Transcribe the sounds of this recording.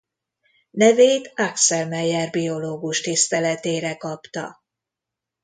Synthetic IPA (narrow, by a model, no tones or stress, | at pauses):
nɛveːt̪aksɛlmɛjɛrbio̞loːɡuʃt̪ist̪ɛlɛt̪eːɾɛkɒpt̪ɒ̰